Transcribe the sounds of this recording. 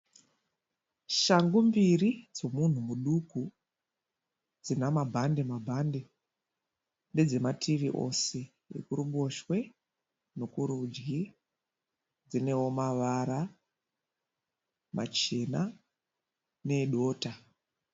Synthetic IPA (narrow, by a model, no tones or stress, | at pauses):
ʃaŋɡumbirid͡zo̞mun̤umuɗuku | d͡zinamabʱande̞mabʱande̞ | nde̞d͡ze̞matʰiʋiʔo̞̰se̞ | ḛkuruɓo̞ʃwe̞ | no̞kuɾud͡ʒɡi | d͡zine̞wo̞maʋaɾa | ma̰t͡ʃena | ne̞ɗo̞ːta